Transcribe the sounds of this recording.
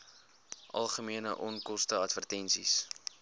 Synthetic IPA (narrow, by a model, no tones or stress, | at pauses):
ʔɐ̰lˠχəmiənə̰ʔɔnkɔstəɐtvərtɛnsis